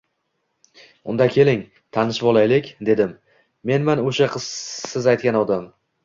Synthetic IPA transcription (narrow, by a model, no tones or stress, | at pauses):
ʊnd̪akʲʰe̞lɪŋ | t̪ʰanɪʃbɒlˠajlɪkʲd̪e̞d̪ɪmː | e̞nmanoʃaqʰɨz̥sɪzajt̪̚kʲanɒd̪am